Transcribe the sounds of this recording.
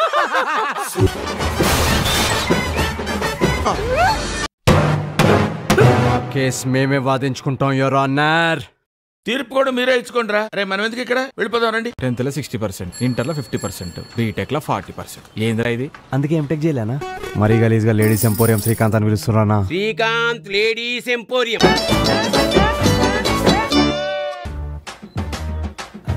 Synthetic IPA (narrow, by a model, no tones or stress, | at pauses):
naːke̞ːsme̞ːmeːʋaːd̪iɲt͡ʃu̥kuɳʈaːw̃joːɾaːnːaɾ | t̪iːɾpukoɽɐmiːɾeːit͡ʃːukoːɳɖɾaːɾeːmɐnɐʋend̪ukikːɐɽaːʋeɭipɔːd̪aːmɾɐɳɖiʈent̪lɐsiksʈipɐɾseɳʈiɳʈɐɾlɐpʰipʰʈipɐɾsḛɳʈṵbiːʈeːklɐpʰa̰ːɾʈiːpɐɾseɳʈeːnd̪iɾajd̪iɐnd̪ukeːmiʈekt͡ʃɛːjlɛnaːmɐɾiːɡɐliːsɡaːleːɖiːsempoːɾijɐmsɾiːkaːnt̪ɐniʋilust̪unɾaːnaːɾiːkaːnt̪leːɽiːsempoːɾijɐmm